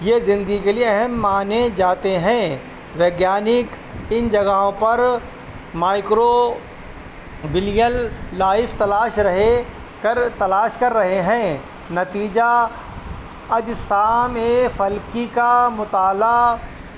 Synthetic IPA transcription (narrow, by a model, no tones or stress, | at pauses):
jeːzɪ̃nd̪ɡikelieɐɦɛmːaːned͡ʒaːt̪eɦɛ̃ː | ʋjeːɡjaːnɪk | ɪnd͡ʒɐɡaõpɐɾ | maːɪkɾo | bɪlijəlːaːɪfʰt̪ɐlaːʃɾɐɦe | kɐɾt̪ɐlaːʃkɐɾːɐɦeɦɛ̃ | nɐt̪iːd͡ʒa | ɐd͡ʒsaːmefɐlkikamʊt̪aːla